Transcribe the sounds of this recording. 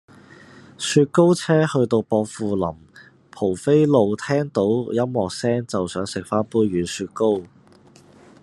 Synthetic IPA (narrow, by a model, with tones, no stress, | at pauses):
syː˧t̚ko˥wt͡sʰɛː˥hɵ˧ɥt̪o˧wpɔː˧k̚fuː˨lɐ˨˩m | pʰo˨˩wfe˥jlo˨˧wt̪ʰɛː˥ŋt̪o˨˥wjɐ˥mwɔː˨k̚sɛː˥ŋt͡sɐ˨wsœː˨˥ŋsɪ˨k̚faː˥npuː˥ɥyː˨˥nsyː˧t̚ko˥w